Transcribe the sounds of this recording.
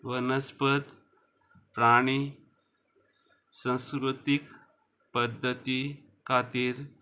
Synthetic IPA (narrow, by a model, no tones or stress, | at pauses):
ʋənəspət̪ | ɾaɽ̃i | sə̃wskɾut̪ik | pəd̪ʱːət̪i | kʰat̪iːɾ